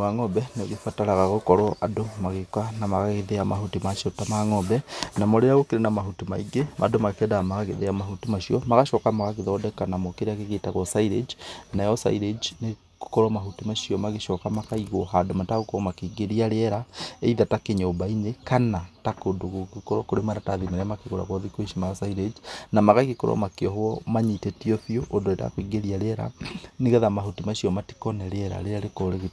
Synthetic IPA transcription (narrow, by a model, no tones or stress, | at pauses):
aŋɔbɛneoɣefataɾaɣaɣokɔɾɔʔadomaɣekwanamaɣaɣeðeamahutimaʃiɔtamaŋɔbɛnamɔɾeɾaɣokeɾenamaɦutimaiɡemʔadomakɛdamaɣaɣeðeamahutimaʃiɔmaɣaʃɔkamaɣaɣeðɔːdɛkanamɔkeɾeaɣeɣetaɣɔsaiɾed͡ʒnajɔsa̰iɾed͡ʒne | ko̥kɔɾɔmaɦutimaʃiɔmaɣeʃɔkamakaiɣoɦadomataɣokɔmakiːɡeɾiaɾeɛɾaeiðatakeɲoːmbainekanatakodoɣokekɔɾɔkoɾemaɾataðimeɾɛamakeɣoɾa̰ɣɔðikweʃimajɔsaiɾed͡ʒnamaɣakekoɾɔ̰makeɔɦwɔmaɲitɛtioɸjoʔodoeda̰kwiɡeɾiaɾeɛɾa̰neɣɛðamaɦutimaʃiɔmati̥kɔnɛɾɛɾa̰ɾeɾaɾekoɾeɣet